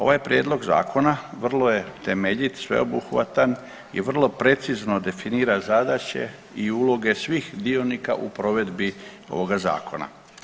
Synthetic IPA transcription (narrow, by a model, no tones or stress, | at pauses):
o̞ʋajpɾje̞ːd̪lˠo̞ɡza̰ːkʰo̞naʋr̩lˠo̞je̞t̪e̞me̞ʎit̪sʋḛobuxʋa̰t̪an | ḭʋr̩lˠo̞pɾe̞t̪sizno̞d̪e̞finiːɾazad̪at͡ɕe̞̰ | iulo̞ɡe̞sʋiːxd̪io̞nika̰ʔupɾo̞ʋe̞d̪bi | o̞̰ʋo̞ɡaza̰ːkʰo̞̰na̰